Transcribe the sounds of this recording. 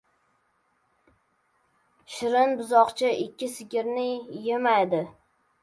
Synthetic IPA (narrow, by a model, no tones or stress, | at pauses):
ʃɪɾɪnbʊzɒqt͡ʃʰɪʔɪkʲːɪsɪɡʲɪɾnɪjemajd̪ɪ